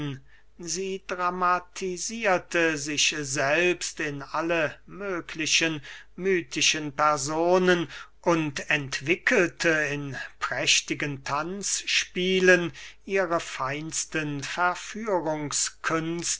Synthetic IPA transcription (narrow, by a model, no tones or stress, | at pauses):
n | ziːdʁamatʰiziːɐtʰəzɪʃzɛlpstɪnʔaləmøːkʰlɪɕən | myːtʰɪʃənpɛɐzoːnənʔʊntɛntv̥ɪkʰəltʰəɪnpʁ̥ɛʃtɪɡəntʰansʃpiːlənʔiːʁəfaɪnstənfɛɐfyːʁʊŋskʰʏnst